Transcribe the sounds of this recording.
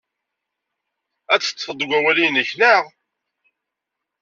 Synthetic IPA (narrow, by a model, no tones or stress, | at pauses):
æt͡sːə̥t͡sːfəd̪ˤɡʷæwælijnəçnəʁ